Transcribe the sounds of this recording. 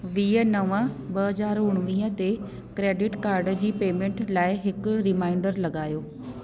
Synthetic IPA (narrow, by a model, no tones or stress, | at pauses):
ʋiːənɐʋəɓɐɦɐzaːɾʊɽ̃ʋĩːə̃t̪e | kɾeːɖɪʈkaːɾɖd͡ʑiːpeːmẽɳʈlaːɪɦɪkʊɾɪmaːɪɳɖəɾlɐɠaːjoː